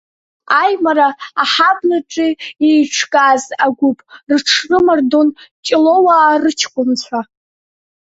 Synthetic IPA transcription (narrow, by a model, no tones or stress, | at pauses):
ajmaɾaːħabnɨʈ͡ʂʼiejʈ͡ʂʰkʼazaɡʷʊpʼrʈ͡ʂʰrɨmardont͡ʃʼɪlowaːrɨt͡ʃʰkʷʼʊnt͡ɕʷʰᶣa